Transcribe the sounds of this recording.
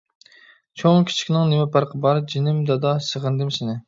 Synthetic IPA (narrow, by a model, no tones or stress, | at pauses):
t͡ʃʰoŋkʲʰi̥t͡ʃʰi̥kʲnɪŋnɪmɛpʰæɾqʰəbɑɾd͡ʒinɪmd̪ɑd̪ɑsəʁənd̪ɪmsɪnɪ